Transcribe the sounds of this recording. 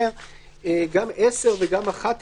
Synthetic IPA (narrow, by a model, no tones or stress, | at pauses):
eɡamʔeseʁveɡamaχat̪